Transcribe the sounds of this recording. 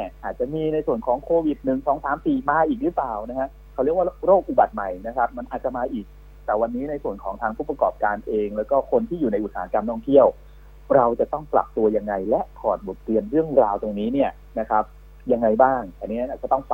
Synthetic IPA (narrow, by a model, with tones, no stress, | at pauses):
ni˥˩ʔaː˨˩t̪̚t͡ɕa˨˩miː˧na˧jsu˨˩ənkʰɔː˩˦ŋkʰoː˧wi˨˩t̪̚nɯ˨˩ŋsɔː˩˦ŋsaː˨˩˦mpiː˨˩maː˧ʔiː˨˩k̚lɯ˦˥plaː˨˩wna˦˥kʰa˦˥ | kʰa˧˩ɾi˦˥˩əwaː˥ɾoː˥˩k̚ʔu˨˩ba˨˩t̪̚ma˨˩jna˦˥kʰa˦˥p̚ma˧nʔaː˨˩t̪̚t͡ɕa˨˩maː˧ʔiː˨˩k̚ | t̪ɛː˨˩wa˧nːiː˦˥na˧jsu˨˩ənkʰɔː˩˦ŋt̪ʰaː˧ŋpʰuː˥˩pa˧kɔː˨˩p̚kaː˧nʔeː˧ŋlɛː˦˥wkɔː˥˩kʰo˧nt̪ʰiː˥˩juː˨˩na˧jʔt̪̚saː˨˦a˦˥ka˧mnɔː˥˩ŋt̪ʰi˥˩əw | ɾa˧wt͡ɕa˨˩t̪ɔ˥˩ŋpla̰˨˩p̚t̪u˧ɐja˧ŋːa˧jlɛ˦˥ʔkʰɔː˨˩t̪̚bo˨˩t̪ːɾi˧ənɾɯ˥˩əŋɾaː˧wt̪o˧ŋniː˦˥ni˥˩ɐə | na˦˥kʰɾa˦˥p̚ | ja˧ŋːa˧jbaː˥˩ŋa˧˩niː˦˥˦a˧nʔaː˨˩a˨˩t̪ɔ˥˩ŋfa˨